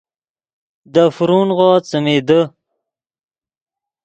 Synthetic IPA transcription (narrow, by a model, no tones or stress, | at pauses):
d̪əfɾunʁoːt͡səmed̪ə